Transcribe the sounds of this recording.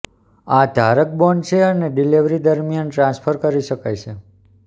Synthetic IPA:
ad̪ʱaɾək̚bɔɳɖt͡ʃʰeəneɖiliʋɾid̪əɾmijanʈɾãnspʰəɾkəɾiʃəkajt͡ʃʰe

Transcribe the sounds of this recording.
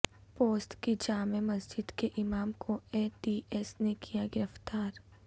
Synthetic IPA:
poːsʈkid͡ʒaːmemɐsd͡ʒɪd̪keʔɪmaːmkʰoeːʈiːʔɛːsnekʰijaɡɪɾəft̪aːɾ

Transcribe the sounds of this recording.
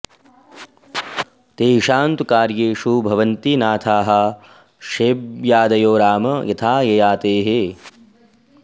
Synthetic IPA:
t̪eːiʃaːnt̪ukaːɾjeːʂubʱɐʋɐnt̪inaːt̪ʰaːɦɐ | ʃeːbjaːd̪ɐjoːɾaːmɐjɐt̪ʰaːjɐjaːt̪eːɦe

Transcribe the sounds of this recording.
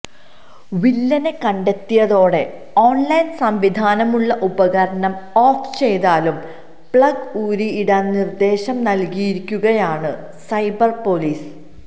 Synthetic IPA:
ʋilːɐne̞kɐɳɖe̞t̪ːijɐðo̞ːɽe̞ | oːɳlɐjnsɐmʋid̪ʱaːnɐmuɭːɐʔubɐɣɐɾɐnɐmoːft͡ɕe̞jðaːlum | pɭɐɡuːɾiiɽanird̪e̞ːɕɐmnɐlkijiɾikʲːuɣɐjaːɳɨ | sɐjbɐrpo̞liːs

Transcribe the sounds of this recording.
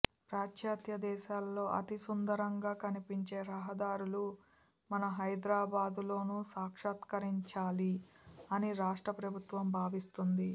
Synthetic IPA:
pɾaːtʃaːt̪jɐd̪ɛːʃaːlːo̞ːʔɐ̰t̪isund̪ɐɾɐŋɡaːkɐnipiɲt͡ʃe̞ːɾɐɦɐd̪aːɾulu | mɐnɐɦɐjd̪ɾaːbaːd̪ulo̞ːnuːsaːkʂɐːt̪kɐɾiɲt͡ʃaːliɐniɾaːʂʈɾɐpɾɐbʱut̪ʋɐmbʱaːʋist̪und̪i

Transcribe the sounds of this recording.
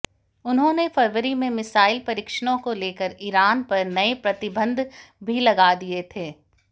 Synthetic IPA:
ʊnɦõnefɐɾʋəɾimẽmɪsaːɪlpɐɾɪkʃəɽ̃õkoleːkəɾiːɾaːnpɐɾnɐepɾɐt̪ɪbə̃nd̪bʱilɐɡad̪iet̪ʰeː

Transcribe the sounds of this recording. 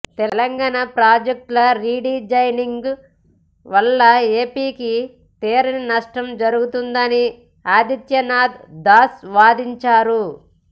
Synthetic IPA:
t̪ɛlɐŋɡaːnapɾaːd͡ʒɐk̚ʈlɐɾiːɖiːd͡ʒɐjniŋɡ | ʋɐlːɐeːpiːki | t̪eːɾɐninɐʂʈɐmd͡ʒɐɾuɡut̪und̪ɐni | aːd̪it̪jɐnaːd̪d̪aːsʋaːd̪iɲt͡ʃaːɾu

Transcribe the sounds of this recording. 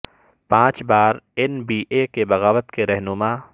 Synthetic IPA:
pãːt͡ʃbaːɾɛnbiːʔekebɐɣaːʋət̪keɾɛɦnʊmaː

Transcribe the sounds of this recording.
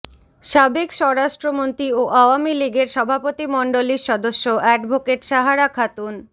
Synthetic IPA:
ʃabekʃɔɾaʃʈɾomont̪ɾioʔaoamiliɡeɾʃɔbʱapot̪imɔɳɖoliɾʃɔd̪oʃːoʔɛɖbʱokeʈʃaɦaɾakʰat̪un

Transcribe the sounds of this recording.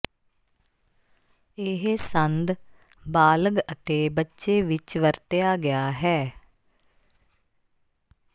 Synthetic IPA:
eɦsənd̪ | baːləɡət̪eːbətːʃeːʋɪt͡ʃʋəɾt̪ejaːɡɪaːɦɛː

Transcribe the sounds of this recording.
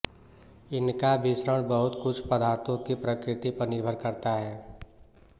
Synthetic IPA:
ɪnkabɪsɾəɽ̃bəɦʊt̪kʊt͡ʃʰpəd̪aːɾt̪ʰõkipɾəkɾɪt̪ipɐɾnɪɾbʱəɾkəɾt̪aɦɛː

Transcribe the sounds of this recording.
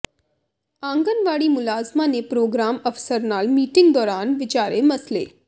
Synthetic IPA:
ãːŋɡənʋaːɽimʊlaːzmanepɾoːɡɾaːməfsəɾnaːlmiːʈɪ̃ŋɡd̪ɔːɾaːnʋɪt͡ʃaːɾemɐslḛː

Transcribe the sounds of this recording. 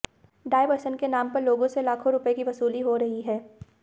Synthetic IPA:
ɖaːɪʋəɾʃənkenaːmpɐɾloːɡõselaːkʰõɾʊpekiʋɐsuːliɦoɾɐɦiɦɛː

